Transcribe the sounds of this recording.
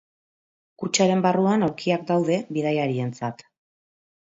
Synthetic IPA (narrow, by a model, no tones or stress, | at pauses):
kut͡ʃaɾe̞mbaruanawɾkʰiak̚d̪awðe̞βiðajaɾie̞nt͡sat̪